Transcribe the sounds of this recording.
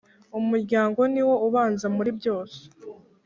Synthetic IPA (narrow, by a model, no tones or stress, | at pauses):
umuɾɟaːŋɡo̞niwo̞uβaːnzamuɾibɟo̞ːse̥